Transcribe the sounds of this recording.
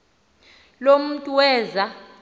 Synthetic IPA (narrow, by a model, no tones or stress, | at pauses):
lom̩tʼuwɛːza